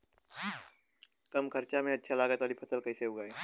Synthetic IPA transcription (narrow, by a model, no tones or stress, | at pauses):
kɐmkʰɐɾt͡ʃamẽɐtːʃʰalaːɡət̪aːlipʰɐsəlkɐiseɦʊɡaːeː